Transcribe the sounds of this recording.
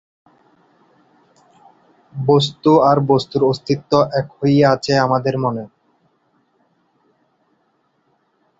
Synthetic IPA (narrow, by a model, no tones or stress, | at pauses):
bos̬t̪uaɾbost̪uɾost̪ʰit̪ːoʔɛkhojeat͡ɕʰeamad̪eɾmone